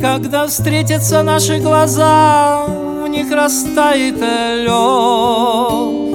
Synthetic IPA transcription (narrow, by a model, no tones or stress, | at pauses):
kɐɡd̪afst̪ɾʲet̬ʲət̪sənaʂɨɡlˠɐza | vnʲixɾɐst̪ajɪt̪ɐ | lʲo